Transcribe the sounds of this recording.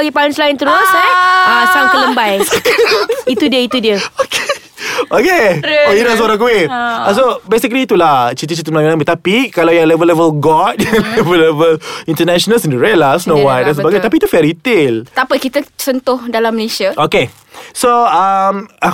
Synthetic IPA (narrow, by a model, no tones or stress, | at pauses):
aɡipalʊnslaɪnt̪əɾʊsaasaŋk̪ələmbaj | it̪udiəit̪udiəokʰe | okeojilas̬oɾãŋkuɪasobesikliːt̪ulat͡ʃit̪̬it͡ʃit̪ɪt̚mlamlãmbət̪apikalawjaŋlɛvəlɛvəlɡɔt̚lɛvəlɛvəlĩnt̪ənɛʃɔnəsɛ̃ndəɹɛlasnowatdɛ̃nsəbaɡajt̪ap̬iːt̪ufɛɾit̪ɪlt̪apakit̪at͡ʃənt̪ʊhdalaməlesiaʔoke | soama